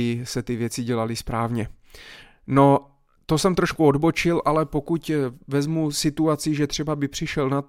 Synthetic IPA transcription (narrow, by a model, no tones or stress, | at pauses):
ɪsɛt̪ɪvjɛt͡sɪɟɛlalɪspɾaːvɲɛ | no̞ | t̪o̞sɛmt̪ɾoʃkuodbo̞t͡ʃɪlʔalɛpo̞kucvɛzmusɪt̪uat͡siʒɛt̪r̝̥ɛbabɪpr̝̥ɪʃɛlna